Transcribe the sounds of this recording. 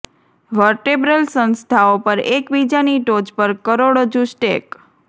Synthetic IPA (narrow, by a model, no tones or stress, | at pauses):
ʋəɾʈebɾəlsə̃nst̪ʰaopəɾekbid͡ʒaniʈod͡ʒpəɾkəɾoɽəd͡ʒũsʈḛk